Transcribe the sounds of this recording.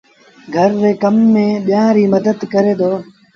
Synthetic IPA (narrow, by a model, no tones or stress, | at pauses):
ɡʱəɾːeːkəmːẽːɓɪjãːɾiːməd̪əd̪kəɾeːd̪oː